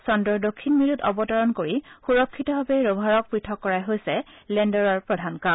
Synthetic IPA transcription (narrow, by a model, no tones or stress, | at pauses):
sɔndɔɹdokʰːinmiɹutɔ̰bɔtɔɹɔnkoɹixuɹɔkʰːitɔbabeɹobʱaɹɔk̚pɹitʰɔkːɔɹajɦojsɛ | lɛndɔɹɔɹpɹɔdʱanka